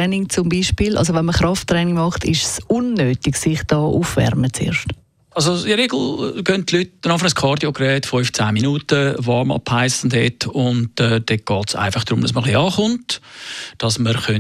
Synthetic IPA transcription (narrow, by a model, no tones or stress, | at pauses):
ɛnɪŋt͡sʊmbiːʃpiːlʔɑ̰ls̬ovɛnməχɾɑftɾɛnɪŋmɑχtɪ̰ʃsʔunːøːtɪɡsɪχd̥ɑːʔuːfvɛ̰ɾmət͡sḛːɾʃt | ʔɑls̬oɪəɾeɡl̩ɡœnttlyːt̚nɑfnəskʰɑːɾdjokɾɛːtfɔʏft͡saːminuːtəvɑmɑ̰pʰhaɪsən̩thɛtʊndɛːdɛɡ̥ɑːtsa̰ɪfɑχd̥ɾʊmd̥ɑsməχliɑːχʊnt | d̥ɑsməɾχœ